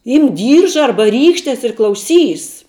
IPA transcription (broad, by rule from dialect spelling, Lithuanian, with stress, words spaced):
ˈiːmk ˈdʲiːrʒɐ ˈɐrbɐ ˈrʲiːkʃʲtʲɛs ɪr klˠɐʊˈsʲiːs